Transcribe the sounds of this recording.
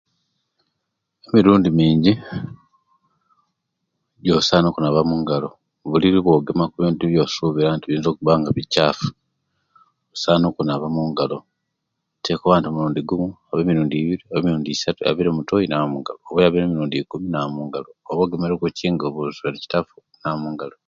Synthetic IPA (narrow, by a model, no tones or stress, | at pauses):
emiɾuːndimiːɲɟi | ɟosaːnukunaβamuːŋɡalo̞ | βuliɾiβwo̞ɡemakuβiːndiβjo̞ːsuβiɾantiβiːnzo̞ːkuβaːŋɡaβicafu̥ | βusaːnukunaβamuŋɡalo̞ | tʰekoβaːntiomuɾuːndiɡumuaβemiɾuːndiːβiɾiaβemiɾuːndisatua̰βiɾemutojinaβamuŋɡa̰loːβejaβenemiɾuːndikuminaamuŋɡaloːβoːɡemeɾkuciːŋɡoβuzβanici̥tafu̥ | namuːŋɡalo